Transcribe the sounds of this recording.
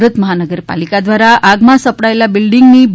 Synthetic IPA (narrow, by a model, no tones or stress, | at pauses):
ɾət̪məɦanəɡəɾpa̰likad̪ʋaɾaʔaɡmasəpɽajlabilɖiŋɡniːbʱ